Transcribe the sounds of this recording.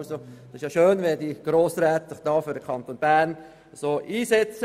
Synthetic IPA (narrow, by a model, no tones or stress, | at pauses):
sod̥ɑsɪʃjɑːʃøːnʋediːɡ̥ɾoːsɾɛːt̪əd̥ɑːfyːdəkʰɑnt̪oːnbæɾn | soːʔiːsɛt͡sə